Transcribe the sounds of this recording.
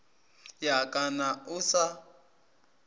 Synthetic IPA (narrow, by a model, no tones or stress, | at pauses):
jakʼanausa